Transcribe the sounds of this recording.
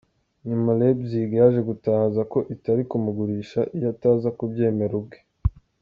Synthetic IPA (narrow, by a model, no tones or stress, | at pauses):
ɲumalebziːɡaʒe̞ɡutazako̞ʔitaɾikumuɡuɾiːʃaʔijataːzakubɟe̞ːme̞ɾub̚ɡe